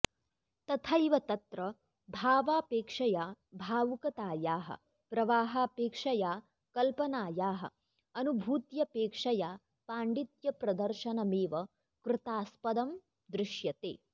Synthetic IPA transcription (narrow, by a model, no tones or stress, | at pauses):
t̪ɐt̪ʰɐjʋɐt̪ɐt̪ɾɐ | bʱaːʋaːpeːkʂɐjaː | bʱaːʋukɐt̪aːjaːɦɐ̰ | pɾɐʋaːɦaːpeːkʂɐjaː | kɐlpɐnaːjaːɦɐ̰̆ | ɐnubʱuːt̪jɐpeːkʂɐjaː | paːɳɖit̪jɐpɾɐd̪ɐɾʃɐnɐmeːʋɐ | kɾɪt̪aːspɐd̪ɐm | d̪ɾɪʃjɐt̪ḛː